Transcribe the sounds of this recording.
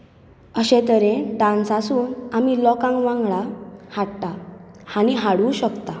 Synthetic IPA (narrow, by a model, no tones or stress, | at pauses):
əɕẽt̪əɾeɖãnsasuːnamilɔkãŋkʋãŋɡɭahaɽʈahañiɦaɽuːɕəkt̪a